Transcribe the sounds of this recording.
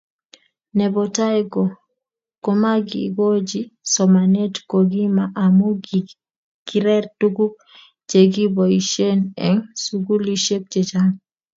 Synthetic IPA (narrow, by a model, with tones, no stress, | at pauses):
nɛ˨bɔ˨ta˦jɡɔ˨ | ko˨˦ma˦ɡḭ˨ɡo˦d͡ʒi˦sɔ˨ma˨ne˦tko˨ɡi˦ma˨ʔa˨mo˦ɡ | ɡ̥i˨ɾɛ˦rtu˦ɡu˦ | t͡ʃe˨ɡi˦bɔ˨i˨ʃe˦nɛ˦ŋsu˨ɡu˦li˦ʃe˦k̚t͡ʃe˨t͡ʃa˦ŋ